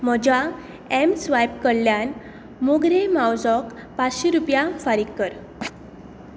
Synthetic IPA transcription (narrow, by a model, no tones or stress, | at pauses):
m̤əd͡ʑa | emsʋajpkəɽljan | moɡɾemawd͡zɔkpat͡sɕiɾupjafaɾikːəɾ